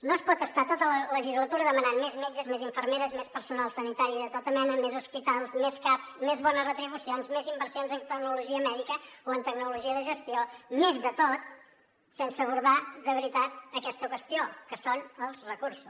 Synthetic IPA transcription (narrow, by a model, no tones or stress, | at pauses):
noəspɔt̪əst̪at̪ot̪ələləʒizlət̪uɾəðəmənanmezmed͡ʒəzmeziɱfərmeɾəzmespəɾsunalˠsənit̪aɾiðət̪ɔt̪əmɛnəmezuspit̪alˠzmeskapsmezβɔnəzrət̪ɾiβ̞usionzmezimbəɾsionzənt̪əknuluʒiəmɛðikəoənt̪əknuluʒiəðəʒəst̪iomezðət̪ot̪ | sɛnsəːβ̞uɾðad̪əβɾit̪at̪̚əkɛst̪əkwəst̪iokəsonəlˠzrəkuɾsu̥s